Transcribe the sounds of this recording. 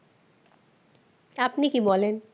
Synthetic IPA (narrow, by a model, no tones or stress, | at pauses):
apnikibɔlen